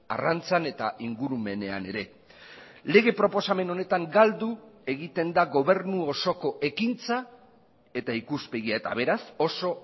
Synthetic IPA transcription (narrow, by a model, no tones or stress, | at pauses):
a̰rant͡sane̞t̪aʔiŋɡuɾume̞ne̞a̰ne̞ɾe̞ | le̞ɣ̞e̞pɾo̞po̞same̞no̞ne̞t̪aŋɡald̪ue̞ɣit̪e̞nd̪aɣo̞β̞e̞ɾnuo̞so̞ko̞ʔe̞kint͡sa | e̞t̪aikuspe̞ɣiaet̪a̰βe̞ɾaso̞so̞